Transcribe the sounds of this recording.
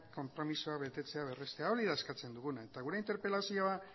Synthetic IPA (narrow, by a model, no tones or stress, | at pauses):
ko̞mpɾo̞misuaβe̞t̪e̞t͡se̞aβe̞re̞st̪e̞ao̞ɾiðaeskat͡se̞nd̪uɣunae̞t̪aɣuɾe̞int̪e̞ɾpe̞lasio̞a